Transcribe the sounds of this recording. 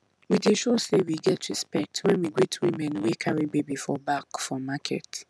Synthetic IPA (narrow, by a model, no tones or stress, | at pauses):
wideʃosewiɡɛtʰɹispɛk̚twɛ̃nwiɡɹitʰwimɛ̃nwikʰaɹibebifɔbakfɹɔmakʰɛ̰t